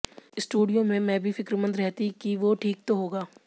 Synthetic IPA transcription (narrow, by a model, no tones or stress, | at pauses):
ɪsʈuːɖijõmẽmɛ̃bʱifɪkɾmə̃nd̪ɾɛɦt̪ikiʋoʈʰiːk̚t̪oɦoːɡaː